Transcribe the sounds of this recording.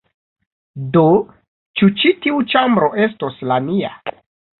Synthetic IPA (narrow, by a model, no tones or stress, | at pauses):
do | t͡ʃut͡ʃitiut͡ʃambɾo̞ʔe̞sto̞slamia̰